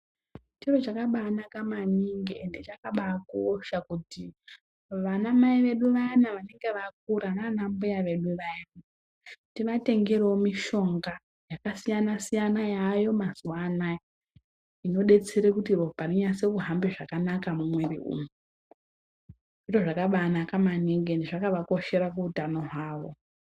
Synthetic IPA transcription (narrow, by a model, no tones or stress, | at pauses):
t͡ʃiro̞t͡ʃakaɓaːnakamaɲiŋɡeende̞t͡ʃakaɓakoʃakuti | ʋanamaiʋe̞ɗuʋajanaʋane̞ŋɡe̞ʋak̚uɾananambujaʋe̞ɗuʋajana | tiʋate̞ŋɡe̞ɾeomiʃo̞ŋɡa | jakasijanasijanajajo̞mazuwana | ino̞ɗe̞t͡se̞ɾekutiropaniɲase̞kuɦambeʐakanakamumwerḭṵːmu | ʐitoʐakaɓanakamaniŋɡendiʐakaʋako̞ʃe̞ɾakuutano̞ɦwaːʋo̞̰